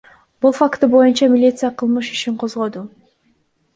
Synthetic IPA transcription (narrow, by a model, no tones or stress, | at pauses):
b̥ulˠfakt̪ubo̞junt͡ʃɑmʲɪlʲit̪sɨjaqʰɯlˠmɯʃiʃiɴqʰo̞zʁo̞d̪u